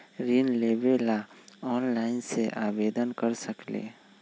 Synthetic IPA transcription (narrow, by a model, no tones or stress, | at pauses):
ɾiːnleːʋelaɔːnlaːɪnseʔaːʋeːd̪ənkəɾsəklḛː